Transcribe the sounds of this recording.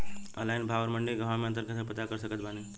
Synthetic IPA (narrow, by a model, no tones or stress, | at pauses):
əlajnbʱaʋəɾməɳɖiɡəʋãmẽənt̪əɾkəsəpət̪akəɾsəkət̪̚bʱani